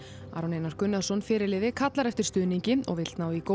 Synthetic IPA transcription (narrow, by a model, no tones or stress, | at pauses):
a̰ːɾɔnejnaɾ̥kʏnːaðsɔnfɪːɾɪɾlɪːðɪkʰat̪laɾɛft̪ɪɾ̥st̪ʏːðniɲcɪɔ̰ɣvɪl̥t̪naːwiko